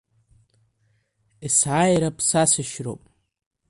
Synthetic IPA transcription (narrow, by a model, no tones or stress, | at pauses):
isajɾapʰʼsasɨʃro̰pʼ